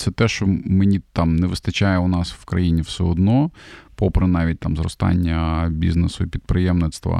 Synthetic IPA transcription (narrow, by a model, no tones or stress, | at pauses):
t̪sɛt̪ɛʃt͡ʃɔmenʲit̪ɑmnɛʋɪst̪ɐt͡ʃajɛʊnɑswkɾɐjinʲiwsɛɔd̪nɔpɔpɾɪnɑʋʲit̚ʲt̪ɑmzɾɔ̰st̪ɑ̰nʲːɐbʲḭznesʊipʲid̪̚pɾɪjɛmnɪt̪st̪ʋɐ̰